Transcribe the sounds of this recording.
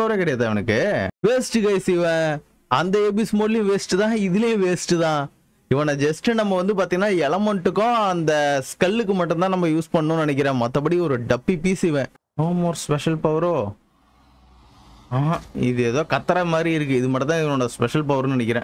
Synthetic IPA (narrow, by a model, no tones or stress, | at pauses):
pɐɾɐ̃kɪɽɐjaːt̪aːɛʋɐnɯkːɯʋeːsʈɯkɐɪsiʋẽː | ɐnd̪ɐeːbismoːɽlɪj̃ʋeːsʈːɯt̪ãːɪðɪlɐjʊ̃ʋeːsʈɯt̪ãː | ɪʋɐnɐd͡ʒɛsʈɯnɐmːɐʋɐnd̪ɯpaːɾt̪iŋɡɐnːaːɛɭɐmɔɳʈːɯkːõɐnd̪ɐskɐlːɯk̬ːɯmɐʈːʊ̃nt̪ãːnɐmːɐjuːspɐɳːʊ̃nɪnɛk̬ʲːɪɾẽːmɐt̪ːɐpɐɽiɔɾɯɖɐpːipiːsiʋẽː | noːmoːɾspɛʂɐlpɐʋɐɾõː | aːɪðɯeːðoːkɐt̪ːɐɾɐmaːd̪ɾiɪɾɯk̬ːɯɪðɯmɐʈːɐnt̪ãːɪʋɐnoɳɐspɛʂɐlpɐʋɐɾɔ̃nɪnɛkːɪɾḛ̃ː